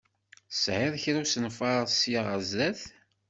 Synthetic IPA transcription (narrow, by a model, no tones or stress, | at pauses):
sʕɪðçɾæsənfɑɾˤsjaʁəzːæθ